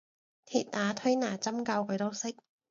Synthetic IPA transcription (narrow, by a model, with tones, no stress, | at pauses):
t̪ʰiː˨˩t̚ʔaː˨˥t̪ʰɵ˥jnaː˨˩t͡sɐ˥mkɐ˧wkʰɵ˨˧ɥt̪o˥wsɪ˥k̚